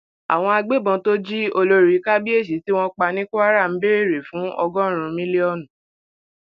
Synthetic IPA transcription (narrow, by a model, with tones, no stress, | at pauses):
a̰˨w̃ɔ̃˧a˧ɡ͡be˦˨bɔ̃˧to˦d͡ʒi˦o˧lo˧ɾi˨˦ka˦bi˦e˦˨ʃ̬i˨˦ti˦w̃ɔ̃˦k͡pa˧nĩ˦ku˦a˦ɾa˦˨m̩˨˦be˦ɾe˦˨ɾe˨fũ˨˦ɔ˧ɡɔ̃˦ɾ̃ũ˧mĩ˦li˦ɔ˦˨nũ˨